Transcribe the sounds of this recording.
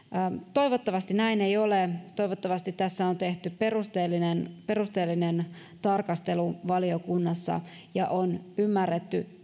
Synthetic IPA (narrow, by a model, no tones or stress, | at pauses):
t̪o̞iʋot̪ːɑʋɑst̪inæinejolet̪o̞iʋot̪ːɑʋɑst̪it̪t̪æsːæont̪e̞ht̪yperust̪eːlːinenpe̞rust̪e̞ːlːinen | t̪ɑrkɑst̪e̞luʋɑliokunːɑsːɑ̰ | jɑ̰ʔonymːærːet̪ːy